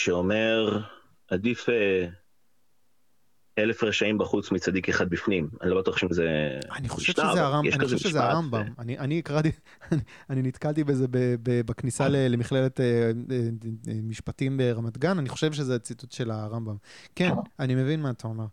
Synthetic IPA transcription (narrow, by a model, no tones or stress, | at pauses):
ʃeomeʁ | ad̪ife | elefʁeʃaimbaχut͡smit͡sad̪ikeχad̪̚bifnimanilbat̪uʃimzeaniχo̞̥ʃev̥ʃaezeaʁamjɛanioevʃezeaambamaniʔaniːkʁat̪i | ni | aninit̪kalt̪ibezebebebaknisalelemiχle̞le̞teemiʃpatimbeʁamat̪ɡananiχo̞ʃe̞vʃezeat͡situtʃe̞laʁambamkenanime̞vinmaːt̪ʰao̞meʁ